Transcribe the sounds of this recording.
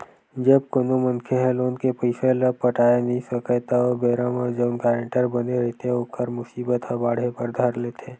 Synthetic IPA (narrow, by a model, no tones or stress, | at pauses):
d͡ʒəbkonomə̃nkʰeɦɛ̃loːnkepəɪseləpːəʈʰaːenɐɦĩsəkət̪aoːbeːɾamə̃d͡ʒəbnkɛːɾə̃ɳʈəɾbɐneɾɛɦt̪eɦɛokəɾmʊsiːbət̪ɦɐbaːɽ̤epəɾd̪ʱəɾlet̪ʰeː